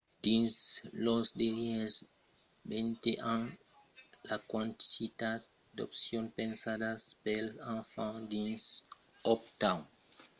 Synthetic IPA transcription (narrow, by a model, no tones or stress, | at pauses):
d̪̥ĩnslosdelies | bent̪eʔãn | lakwãnt̪i̥sit̪at̪̚ | d̪o̰psjonpẽnsadaspelãfãd̪ĩns | ɔp̚t̪aw